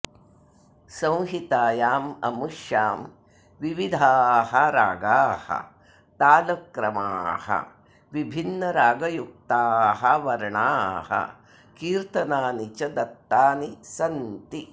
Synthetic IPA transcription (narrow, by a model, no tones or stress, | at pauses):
sɐ̃w̃ɦit̪aːjaːmɐ̰muʂjaːm | ʋiʋid̪ʱaːhɐɾa̰ːɡaːhɐ̰ | t̪aːlɐkɾɐma̰ːhɐ̰ | ʋibʱinːɐɾaːɡɐjuk̚t̪aːɦɐʋɐɾɳaːhɐ̰ | kiːɾt̪ɐnaːnit͡ʃɐd̪ɐt̪ːaːnisɐnt̪i